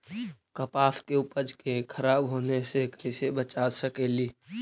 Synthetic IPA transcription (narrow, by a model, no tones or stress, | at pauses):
kəpaskeupəd͡ʒkekʰəɾabɦonesekisebət͡ʃasəkeliː